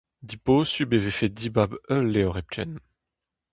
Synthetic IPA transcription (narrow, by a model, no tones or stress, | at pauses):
d̪iposybevefed̪ibabœlːeɔʁɛp̚t͡ʃɛ̰n